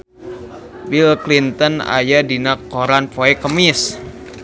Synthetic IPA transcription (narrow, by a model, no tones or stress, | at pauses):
bilklint̪əna̰jadinakːoɾanpoɛkəmis